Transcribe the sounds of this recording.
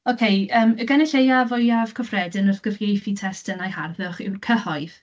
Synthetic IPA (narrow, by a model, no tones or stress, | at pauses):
okʰejəːməɡɛnɛɬejavɔjav̥kʰɔfrɛdənəθɡ̥ərɡejθitʰɛstənajharðʊχɪwkʰəhɔɨð̥